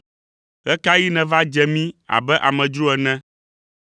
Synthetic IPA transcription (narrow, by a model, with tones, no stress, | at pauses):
ɣɛ˦ka˦ji˦nɛ̃˨va˦d͡ʒɛ˦mĩ˦a̰˨bɛ˦ʔa˨mɛ̃˨d͡ʒɾu˦ɛ˨nɛ̃˦